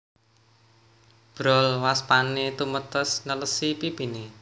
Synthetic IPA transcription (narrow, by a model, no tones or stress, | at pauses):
b̥ɾɔlwaspanet̪umət̪əsnələsipipine